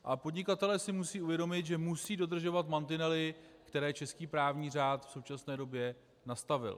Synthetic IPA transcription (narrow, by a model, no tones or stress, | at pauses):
ʔapo̞dɲɪkat̪ɛlɛːsɪmusiːʔuvjɛdo̞mɪt̪ʒɛmusiːdo̞d̪r̩ʒo̞vat̪mant̪ɪnɛlɪkt̪ɛɾɛːt͡ʃɛskiːpɾaːvɲiːr̝aːt̪fso̞wt͡ʃasnɛːdo̞bjɛ | nast̪avɪ̰l